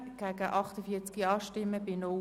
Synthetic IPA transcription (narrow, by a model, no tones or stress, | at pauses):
ɡ̥ɛːɡəʔɑχtəfiːt͡skiɑːʃtɪmːəbɪno